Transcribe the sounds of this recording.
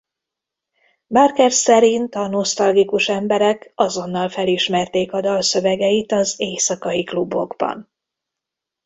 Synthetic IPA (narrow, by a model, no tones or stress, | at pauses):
barkɛrsɛɾint̪ɒno̞st̪ɒlɡikuʃɛmbɛɾɛkɒzo̞nːɒlfɛliʃmɛrt̪eːkɒd̪ɒlsø̞vɛɡɛit̪ɒzeːsɒkɒjiklubːo̞ɡbɒ̰n